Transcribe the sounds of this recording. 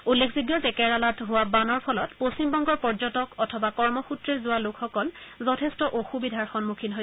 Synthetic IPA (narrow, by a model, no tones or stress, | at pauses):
ulːekʰziɡjɔtɛkɛɹalatɦʊwabanɔɹpʰɔlɔtpostimbɔŋɡɔɹpɔɹzɔtɔkɔtʰɔbakɔɹmɔxutɹeɹzʊwalokʰxɔkɔlzɔtʰɛstɔʔoxubidʱaɹxɔnmukʰinɦo